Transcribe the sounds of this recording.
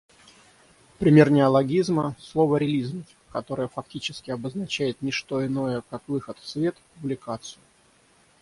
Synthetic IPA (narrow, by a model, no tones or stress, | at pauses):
pɾʲɪmʲe̞rnʲɪɐlˠɐɡʲizməslˠo̞vəɾʲɪlʲizməfʲ | kɐt̪o̞ɾəjəfɐk̚tʲit͡ɕɪskʲɪɐbəznɐt͡ɕæjɪt̪nʲɪʂt̪o̞ɪno̞jəkakvɨxət̪fsvʲe̞t̪pʊblʲɪkat̪sɨjʊ